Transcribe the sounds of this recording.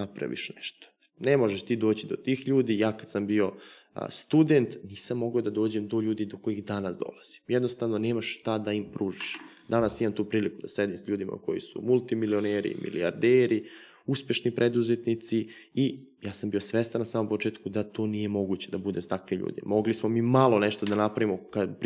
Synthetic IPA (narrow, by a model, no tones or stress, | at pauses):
napɾa̰ʋḭʃneʃt̪o̥nemo̞ʒeʃt̪iːd̪o̞ːt͡ɕid̪o̞t̪iːxʎuːd̪ijaːkad̪sambio̞̰ | st̪ud̪ent̪niːsamːo̞ɡod̪ad̪o̞ːd͡ʑemd̪o̞ʎuːd̪id̪oko̞jixd̪anasd̪o̞̰laz̥i̥mjɛd̪nost̪aʋno̞neːmaʃt̪ad̪aimpɾuːʒiʃ | d̪anasimamt̪uːpɾiːlikud̪asɾed̪imsʎuːd̪ima̰ko̞̰jḭsṵmulˠt̪imilioneɾḭmʔḭlḭaɾd̪eːɾi | uspje̞ʃnipɾʔed̪uzet̪nit̪si | i | jaːsambijo̞sʋest̪anasaːmo̞mpot͡ʃe̞ːt̪kud̪at̪o̞ːnije̞mo̞ɡut͡ɕed̪abud̪e̞mt̪akʋeʎṵːd̪ḭmo̞ɡlismo̞mimalˠo̞neʃt̪od̪anapɾaʋimokap